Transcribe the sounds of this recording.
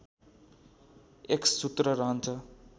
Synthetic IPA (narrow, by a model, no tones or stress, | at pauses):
eksut̪rʌɾʌɦʌnt͡sʰʌ